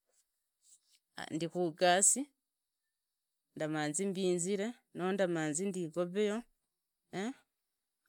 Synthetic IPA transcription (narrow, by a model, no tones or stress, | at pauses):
ndikuɡasi | ndamaːnzimbiːnziɾe̞ | nondamaːnzindiːɡoβejo | e